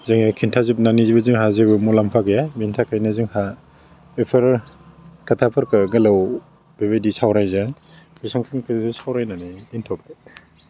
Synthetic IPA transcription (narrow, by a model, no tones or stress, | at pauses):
zaŋakʰintʰazip̚nanizibɯziŋɦazebɯmulampʰaɡɯjabintʰakʰajnazɯŋha | bepʰɯɾ | katʰapʰɯɾkɯɡalaw | b̥eβejdisawɾajzaŋ | bisɔŋkʰiŋkʰizisawɾajnanijintʰɔba